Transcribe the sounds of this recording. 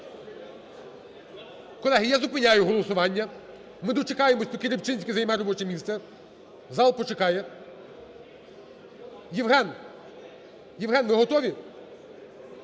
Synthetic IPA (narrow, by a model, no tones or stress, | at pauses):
kɔlˠɛɦijazʊpɪnʲajʊɦɔlˠɔsʊʋɑnʲːɐ | mɪd̪ɔt͡ʃekɑjemɔsʲp̪ɔkɪɾʲipt͡ʃɪnʲsʲkʲɪzɐjmɛɾɔbɔt͡ʃɛmʲist̪sɛ | zɑlˠpɔt͡ʃekɑjɛ | jiʋɦɛn | jiʋɦɛnʋɪɦɔt̪ɔʋʲi